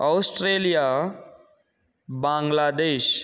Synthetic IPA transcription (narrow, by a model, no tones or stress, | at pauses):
ɔwsʈɾelija | bãŋɡlad̪eːʃ